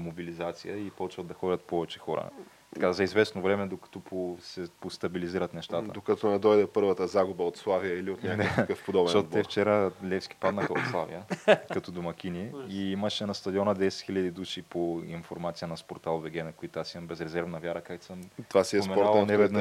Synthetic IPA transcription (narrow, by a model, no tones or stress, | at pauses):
mobilizat̪sijəipɔt͡ʃvɐd̪d̪ɐxɔɾʲɐt̪̚pɔvɛt͡ʃɛ̥xɔɾə̰ | t̪ɐ̥kazɐizvɛsnovɾɛmɛd̪okɐ̥t̪ɔpʰosɛpost̪ɐbiliziɾət̪nɛʃt̪at̪ə̰d̪okɐt̪ɔnɛd̪ɔjd̪ɛpɤɾvət̪əzaɡubəot̪slˠavijəiliot̪nʲak̪akəfpod̪ɔbɛ̃ɔɛft͡ʃɛɾəlʲɛfsk̟i̥pad̪nəxəot̪slˠavḭəkɐt̪od̪omɐk̟ʲiniiiməʃɛnɐst̪ɐd̪iɔnəd̪ɛsɛ̥t̪xilʎəd̪id̪uʃipoinfoɾmat̪sijənɐspoɾt̪alˠvɛɡɛnɐkoit̪asiɐmbɛzɾɛzɛɾvnɐvʲjaɾəkakt̪səmt̪vasiɛomɛnɔanɛvɛd̪n